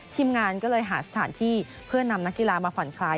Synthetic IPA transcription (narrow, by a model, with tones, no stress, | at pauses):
t̪ʰi˧˥mŋaː˧nkɔː˥˩lɤː˧jɦaː˩˦sa˧t̪ʰaː˩˦nt̪ʰiː˥˩ | pʰɯ˥˩ɐna˧mna˦˥kːi˧laː˧maː˧pʰɔ˨˩˦nkʰlaː˧j